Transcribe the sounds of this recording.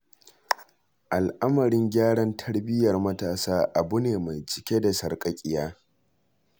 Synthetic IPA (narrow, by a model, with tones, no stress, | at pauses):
ʔa˨lʔa˦mɐ˨ɾɪ˦ŋɡʲaː˦ɽɐ˦ntʰɐ˦ɽbɪ˦jɐ˨rmɐ˦taː˨saː˦ʔa˨bʊ˦neː˨ma˨jt͡ʃɪ̥˦kʲe˦da˨sɐ˨rkʼɐ˦kʲʼɪ˦jaː˦